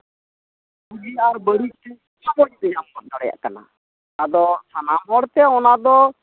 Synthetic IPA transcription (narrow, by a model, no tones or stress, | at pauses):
ud͡ʒiaɾbəɽik̚t̪ɛ | abɔɽid̪ɛjamːɔt̪̚nɔɽɛja̰ʔkana̰ | ad̪ɔsʰanamɦɔɽt̪ɛɔnad̪ɔ